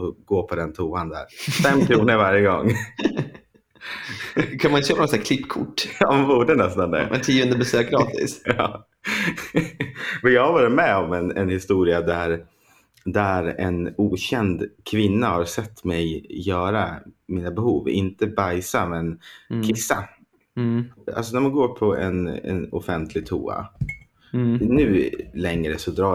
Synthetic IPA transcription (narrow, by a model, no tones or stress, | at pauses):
ɔɡoːpʰɔd̪ɛnt̪ʰuːand̪æ̰ɾfɛmːkʰɾuːnəɾvaɾjəɡɔ̰ŋː | kʰanmanɪt̪ɕøːpanɔsækʰlɪpːkʰʊ̰ʈːjɑanbuːɖənɛst̪and̪ɛ̰ɛ̰t̪ʰiːɵnd̪əbɛsøːk̚ɡɾɑːt̪ɪ̰sjɑː | mɛjɑːhaɾvɑːɾɪt̪mɛɔmɛnɛnhɪst̪uːɾɪad̪æɾ | d̪æɾɛnuːɕɛnd̪kʰvɪnːahaɾsɛt̪ːmɛjːœːɾamiːnabɛhuːvɪ̰nt̪əbajsamɛnkʰɪsːa | a̰ls̬ɔnæɾmanɡoːpʰɔɛ̰nɛ̰nʊfɛnt̪ʰlɪɡ̚t̪ʰṵːa̰ | nʉ̟ːlɛŋɾəsɔd̪ɾɑː